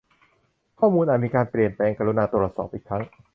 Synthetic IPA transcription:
kʰɔː˥˩muː˧nʔaː˨˩t̪̚miː˧kaː˧npli˨˩ənpɛː˧ŋkaː˧ɾu˧naː˧t̪u˩t̪sɔ̰ː˨˩p̚ʔiː˨˩kʰɾa˦˥ŋ

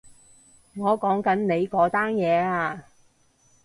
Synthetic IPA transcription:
ŋɔː˨˧kɔː˨˥ŋkɐ˨˥nne˨˧jkɔː˨˥t̪aː˥njɛː˨˧aː˧

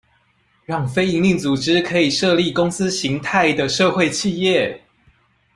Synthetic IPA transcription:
ɻɑ˥˨ŋfe˥ɪi˧˥ŋli˥˩ŋt͡su˨˩ʈ͡ʂɻ̩˦kʰɤ˧˦i˨˩ʂɤ˥˧li˥˩kʊ˥ŋsɹ̩˦ɕi˨˦ŋt̪ʰa˥˩ɪd̪ə˨ʂɤ˥˧xwe˥˧ɪt͡ɕʰi˥˧jɛ˥˨˩

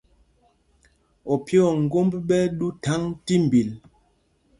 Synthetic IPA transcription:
ɔ˨pjɔ˨ŋ̩˨ɡo˦mbɓɛ˦ɗu˦ta˨˦ŋti˦m̩˨bi˨l

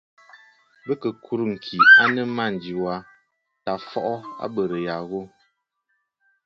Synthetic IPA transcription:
bə˦kə˨kʰu˦ɾŋ̩˨kʰi˨a˦nə˦ma˦˨n˨d͡ʒi˨wa˦ | ta˨fɔ˦ʔɔ˦a̰˦bə˨ɾə˨ja˨ɣo˦

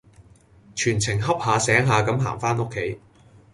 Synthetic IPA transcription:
t͡ʃʰyː˨˩nt͡sʰɪ˨˩ŋɦɐ˥p̚haː˨˧sɛː˨˥ŋɦaː˨˧kɐ˨˧˥mɦa̰ː˨˩ŋfaː˥no˥kʰːe˨˥j

